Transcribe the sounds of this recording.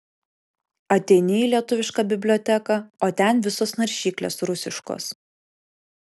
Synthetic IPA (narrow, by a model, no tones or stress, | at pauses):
ɐt̪ʲɛɪnʲɪiːlʲiɛt̪ʊʋʲɪʃkɑːbʲɪbʲlʲoːt̪ʲɛkɐoːt̪ʲɛnʋʲɪsoːsnɐɾʲʃʲiːklʲḛːsɾʊsʲɪʃko̰ːs